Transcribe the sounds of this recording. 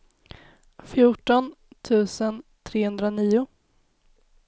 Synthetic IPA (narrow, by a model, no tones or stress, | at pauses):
fjʊʈɔn | t̪ʰʉ̟ːsənt̪ʰɾeːhɵnd̪ɾaniːʊ